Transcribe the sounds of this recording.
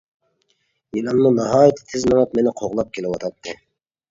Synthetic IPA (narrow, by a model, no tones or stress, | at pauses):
jilɑmnunɑɦɑːjit̪ʰɪ̥t̪ʰɪzmɑnɑt̪menɪqʰoʁlˠɑp̚kʲʰelɪwɑt̪ʰɑt̪ːɨ